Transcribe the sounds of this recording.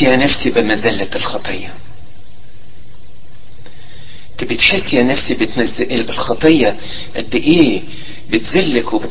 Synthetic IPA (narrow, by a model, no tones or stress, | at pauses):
jænæfsibɪmæzæːlælxɑt̪ˤejːɑ | t̪bɪt̪ħesːjæːnæfsibɪt̪æzʔlɪlxɑt̪ˤejːɑ | ʔɪd̪ːɪʔeː | bɪt̪zelːækwebɪt̪